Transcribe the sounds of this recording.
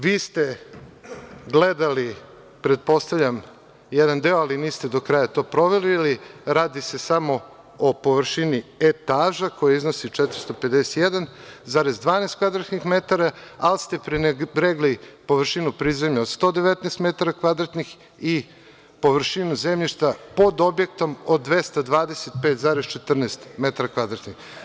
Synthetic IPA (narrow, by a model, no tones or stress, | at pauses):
ʋiːst̪e | ɡled̪ali | pɾed̪̚po̞st̪aʋʎʲam | jed̪and̪eoaliniːst̪e̞d̪o̞kɾajat̪o̞ːpɾo̞ʋe̞liliɾaːd̪ise̞samo̞ | opo̞ʋɾʃiniet̪aːʒako̞jeiznosit͡ʂɛt̪ɾi̥st̪o̞pe̞d̪ese̥t̪jed̪anzaɾezd̪ʋaːneːst̪kʋad̪ɾat̪nixmet̪aɾaalst̪e̞pɾinbɾeɡlipo̞ʋr̩ʃinupɾiːzemʎaod̪st̪o̞ːd̪eʋet̪neːst̪met̪aɾakʋad̪ɾat̪nix | i | po̞ʋrʃinuzemʎiʃt̪apo̞d̪o̞bje̞k̚t̪o̞mod̪ːʋest̪ad̪ʋaːd̪eset̪̚peːt̪zaːɾest͡ʃet̪r̩nest̪me̞t̪aɾakʋad̪ɾat̪nix